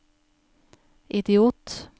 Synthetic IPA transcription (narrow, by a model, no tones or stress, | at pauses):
ʔɪd̪ɪuːt̪